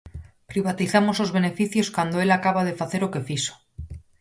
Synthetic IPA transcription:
pɾiβ̞at̪iθamo̞zslo̞zβe̞ne̞fiθjo̞skwand̪oe̞lakaβað̞e̞faθe̞ɾoke̞fiso̥

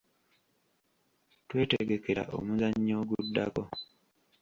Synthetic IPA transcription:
twe̞ːteɡe̞ke̞ɾa̰ʔo̰muzaɲːoːɡudːa̰ko̞

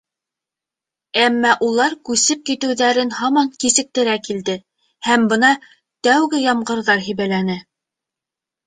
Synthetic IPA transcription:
æmːæʔulˠɑɾkʉsɘp̚kit̪ɘ̆wðæɾɘnhɑmɑŋkisɘ̆k̚t̪ɘ̆ɾækild̪ɘ | hæmbɤnɑ | t̪æwɡɘjɑmɢɤ̆ɾðɑɾɦiβælænɘ

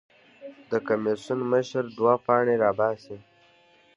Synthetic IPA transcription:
d̪əkamesunməʃəɾd̪wapɑːɳeɾɑːbɑːsi

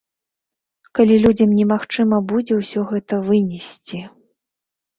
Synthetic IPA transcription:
kalʲilʲud͡zʲɐmnʲɛmaxt͡ʂɨmɐbud͡zʲɛwsʲɔɣɛt̪ɐvɨnʲɛsʲt͡sʲi

